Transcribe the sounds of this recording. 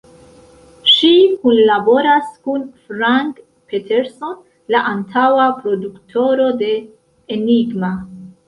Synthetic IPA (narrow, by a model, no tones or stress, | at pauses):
ʃikunlabo̞ɾaskunfɾaŋk | pʰetʰeɾso̞n | laʔantʰawapɾo̞duktʰo̞ɾo̞de̞ | eniɡma